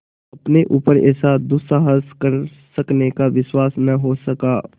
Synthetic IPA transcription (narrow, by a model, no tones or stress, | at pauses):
ɐpneʔuːpəɾɛ̰ːsad̪ʊsaːɦəskəɾsɐknekaʋɪswaːsnɐɦosɐkaː